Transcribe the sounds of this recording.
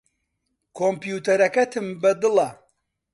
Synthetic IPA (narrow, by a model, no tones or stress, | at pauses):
kʰompjuːt̪ɐɾɐkɐt̪ʰɨmbɐd̪ɨlˠɐ